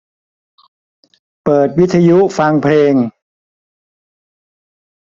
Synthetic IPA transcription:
pɤː˨˩t̪̚wi˦˥t̪ʰːa˧ju˦˥fa˧ŋpʰleː˧ŋ

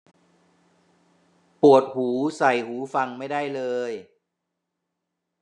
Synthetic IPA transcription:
pu˨˩ət̪̚huː˩˦sa˨˩jhuː˩˦fa˧ŋma˥˩jda˥˩jlɤː˧j

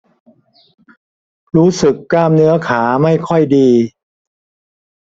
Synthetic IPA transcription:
ɾuː˦˥sɯ˨˩kːaː˧mnɯ˦˥ɐkʰaː˩˦ma˥˩jkʰɔ˥˩jdiː˧

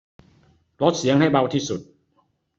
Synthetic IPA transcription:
lo˦˥t̪̚si˩˦əŋha˥˩jba˧wt̪ʰiː˥˩su˨˩t̪̚

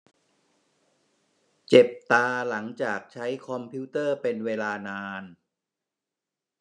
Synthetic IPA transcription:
t͡ɕe˨˩p̚t̪aː˧la˩˦ŋt͡ɕaː˨˩k̚t͡ɕʰa˦˥jkʰɔ˧mpʰiː˦˥t̪ɤː˥˩pe˧nweː˧laː˧naː˧n

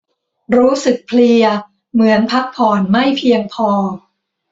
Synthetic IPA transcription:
ɾuː˦˥sɯ˨˩k̚pʰli˧ɐ | mɯ˩˦ənpʰa˦˥k̚pʰɔː˨˩nma˥˩jpʰi˧əŋpʰɔː˧

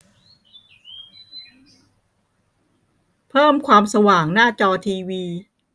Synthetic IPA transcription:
pʰɤː˥˩mkʰwaː˧msa˧waː˩ŋnaː˥˩t͡ɕɔː˧t̪ʰiː˧wiː˧

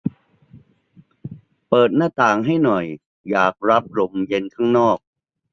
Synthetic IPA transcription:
pɤː˨˩t̪̚naː˥˩t̪aː˨˩ŋɦa˥˩jnɔ˨˩j | jaː˨˩k̚ɾa˦˥p̚ɾo˧mje˧nkʰa˦˥˩ŋnɔː˥˩k̚

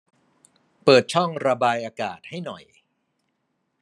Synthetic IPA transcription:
pɤː˨˩t̪̚t͡ɕʰɔ˥˩ŋɾa˧baː˧jʔaː˧ka̰ː˨˩t̪̚ha˥˩jnɔ˨˩j

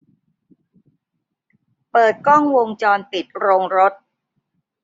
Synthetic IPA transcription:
pɤː˨˩t̪̚kɔ˥˩ŋwo˧ŋt͡ɕɔː˧npi˨˩t̪̚ɾoː˧ŋɾo˦˥t̪̚

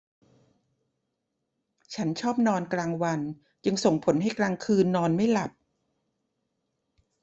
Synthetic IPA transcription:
t͡ɕʰa˦˥nt͡ɕʰɔː˥˩p̚nɔː˧nklaː˧ŋwa˧n | t͡ɕɯ˧ŋso˨˩ŋpʰo˩˦nɦa˥˩jklaː˧ŋkʰɯː˧nːɔː˧nma˥˩jla˨˩p̚

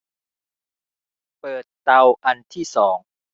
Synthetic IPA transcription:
pɤː˨˩t̪ːa˧wʔa˧nt̪ʰiː˥˩sɔː˩˦ŋ

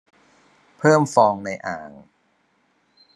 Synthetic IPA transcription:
pʰɤː˥˩mfɔː˧ŋna˧jʔaː˨˩ŋ

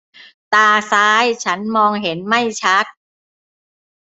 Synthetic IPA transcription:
t̪aː˧saː˦˥jt͡ɕʰa˦˥nmɔː˧ŋɦe˩˦nma˥˩jt͡ɕʰa˦˥t̪̚

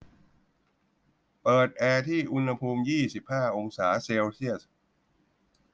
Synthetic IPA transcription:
pɤː˨˩t̪̚ʔɛː˧t̪ʰiː˥˩ʔu˧nha˧pʰuː˧mjiː˥˩si˨˩p̚haː˥˩ʔo˧ŋsaː˩˦seː˧wsʰi˥˩əs

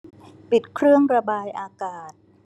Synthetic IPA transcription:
pi˨˩t̪̚kʰɾɯ˥˩əŋɾa˧baː˧jʔaː˧kaː˨˩t̪̚

